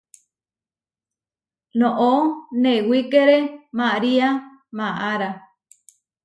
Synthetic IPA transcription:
nõʔonewikeɾemaɾia | mãʔaɾa

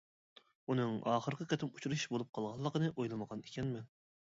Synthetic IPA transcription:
unɨŋɑ̰ːχəɾqʲɪqʲɛt̪ʰɪmut͡ʃʰuɾuʃbolˠup̚qʰɑlˠʁɑlˠːəqənɨʔojlˠɨməʁɑne̥kʲɛnmɛn

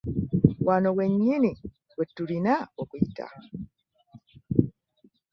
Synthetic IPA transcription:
wanoweɲːini | wetːulinawokuita̰

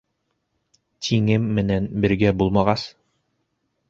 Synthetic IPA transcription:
t̪ʰiŋɘmːɘ̆nænbɘ̆ɾɡæbulˠmɑʁɑs

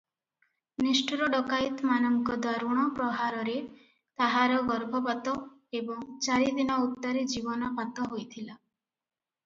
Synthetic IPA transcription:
nisʈuɾɔɖɔkajt̪manɔŋkɔd̪waɾuɽ̃ɔpɾɔɦaɾɔɾe | t̪aɦaɾɔɡɔɾbʱɔpat̪ɔ | ebɔŋt͡ʃaɾid̪inɔut̪ːɔɾed͡ʒibɔnɔpat̪ɔɦojt̪ʰila

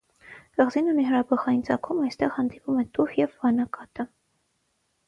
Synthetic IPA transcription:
kɑʁzinuniɦəɾɑbɑχɑjint͡sɑkʰumɑjst̪ɛʁhɑnd̪ipumɛt̪uhjɛvːɑnɑkɑt̪ə

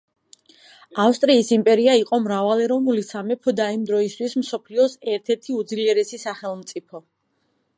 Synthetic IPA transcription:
afst̪ʼɾiːsimpʼɛɾiaiqʼɔmɾavalɛɾɔvnulisamɛpʰɔd̪aimd̪ɾɔist̪ʰwismsɔpʰliɔsɛɾt̪ʰɛɾt̪ʰiud̪zliɛɾɛsisaχɛlˠmt̪sʼipʰɔ

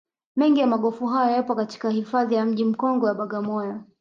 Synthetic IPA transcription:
mɛŋɡijamaɠɔfuɦajɔjapɔkati̥kahifaðijam̩ʄim̩kɔŋɡɔjaɓaɠamɔjɔ

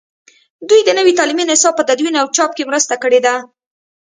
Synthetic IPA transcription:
d̪ujd̪ənəwit̪ɑliminɪsɑb̚pːəd̪ad̪winawt͡ʃɑp̚kemɾəst̪akəɽed̪a

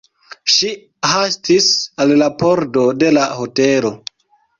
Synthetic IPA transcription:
ʃi | hastisallapoɾdo̞de̞lahotelo̞

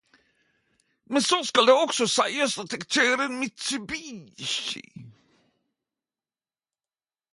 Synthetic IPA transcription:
mɛnsoskald̪ɛɔksɔsɛjasat̪ʰɛkt̪ʰøːɾənmɪt̪sʉbiːɕḭ

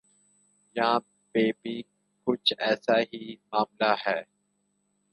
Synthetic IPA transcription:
jã | beːbi | kʊt͡ʃʰɛːsaːɦiːmaːmlaːhɛː

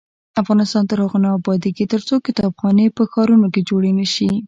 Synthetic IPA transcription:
afɣɑnɪst̪ɑnt̪əɾhaɣonaːbɑd̪eket̪əɾt͡sokɪt̪ɑbxɑnepəxɑɾunoked͡ʒoɽenəʃi

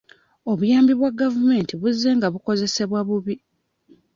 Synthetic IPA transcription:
o̞βujaːmbiβwaɡavume̞ːntiβuzːe̞ːŋɡaβuko̞ze̞se̞βwaβuβi

